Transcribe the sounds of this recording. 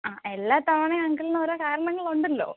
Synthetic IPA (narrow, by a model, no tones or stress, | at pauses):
aːʔelːaːt̪ɐʋɐɳeɐŋɡɐɭnoɾokaːɾɐɳɐŋːɐɭuɳɖilːo̰ː